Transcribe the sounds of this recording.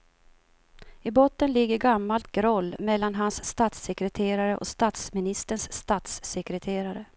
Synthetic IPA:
ɪbɔt̪ːənlɪɡːəɾɡamːalt̪̚ɡɾɔlːmɛlːanɦansːt̪aːt̪sɛkɾɛt̪ʰeːɾaɾəʔɔ̰st̪aːt̪smɪnɪst̪əɳʂːt̪aːt̪sːɛkɾɛt̪ʰeːɾaɾə

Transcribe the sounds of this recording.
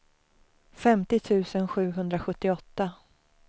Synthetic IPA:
fɛmt̪ɪt̪ʰʉ̟ːsənɧʉ̟ːɦɵnd̪ɾaɧɵt̪ːɪɔt̪ːa

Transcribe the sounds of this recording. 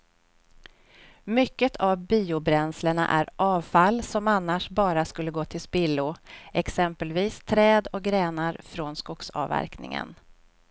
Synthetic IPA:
mʏkːət̪ʰavbiːʊbɾɛnsləɳa̰ʔæɾʔɑːvfalːsɔmanːaʂbɑːɾaskɵlːəɡoːt̪ʰɪlspɪlːʊɛksɛmpəlviːst̪ʰɾɛːd̪ɔk̚ɡɾɛːnaɾfɾɔnskʊksɑ̰væ̰ɾknɪ̰ŋə̰n

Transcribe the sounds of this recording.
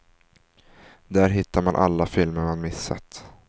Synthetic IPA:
d̪æːɾɦɪt̪ːaɾmanʔa̰lːafɪlməɾmanmɪsːa̰t̪

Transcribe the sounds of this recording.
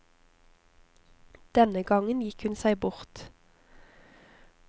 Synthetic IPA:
d̪̥ɛnəɡɑŋənjɪkhʉnsæɪbʊʁt̪

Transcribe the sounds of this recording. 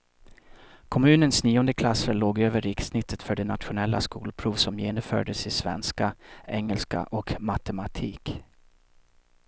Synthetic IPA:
kʰɔmʉ̟ːnənsniːɔnd̪əkʰlasəɭoːɡøːvəɾɪksnɪt̪ʰːət̪fœɖɛnat̪ɧʊnɛlːa̰skṵːlpʰɾuːvsɔmjeːnɔmfœ̰ːɖəsɪsvɛ̰nskaɛŋːəlska̰ʔɔkmat̪ɛmat̪ʰiːk

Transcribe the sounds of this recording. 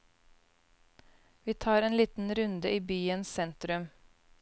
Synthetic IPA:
ʋiːt̪ʰɑːɾeːnliːt̪n̩ɾʉnd̪əʔiːbyːənssɛnt̪ɾʉm

